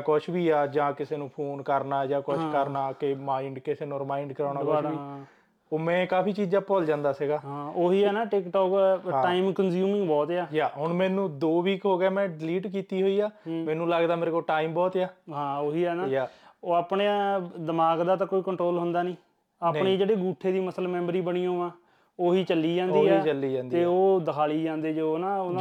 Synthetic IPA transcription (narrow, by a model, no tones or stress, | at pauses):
kʊʃʰbiːaːd͡ʒãːkɪseːnũːpʰoːnkəɾnaːd͡ʒãːkʊʃkəɾnaːkɪmaːɪɳɖkɪseːnũːɾɪmaːɪɳɖkəɾaːɽ̃aːbabiː | oːmɛ̃ːkaːpʰiːt͡ʃiːd͡ʒaːpɔld͡ʒãːnd̪aːsɪɡaːɦãːoːɦiːɛːnaːʈɪkʈɔːkɦãːʈaːimkənzjuːmɪ̃ŋɡbɔːt̪eaːjaːɦʊɳmɛːnũːd̪oːʋiːkɦoːɡeaːmɛ̃ːɖɪliːʈkiːt̪iːɦoːiːaːmɛːnũːlaɡd̪aːmeːɾeːkolʈaːimbɔːt̪ːaːɦãːoːɦiːɛːnaːjaːaːpɳeːd̪əmaːɡd̪aːt̪ãːkoːiːkəɳʈɾoːlɦʊnd̪aːnĩː | aːpɳeːd͡ʒeːɽeːɡuːʈʰːeːd̪iːməsləmɛ̃ːmɾiːbəɽ̃ĩːoːãː | oːɦiːt͡ʃəlːiːd͡ʒãːnd̪ːɛːt͡ʃəlːiːd͡ʒãːnd̪eːoːd̪əkʰaːliːd͡ʒãːnd̪eːd͡ʒoːnãːoː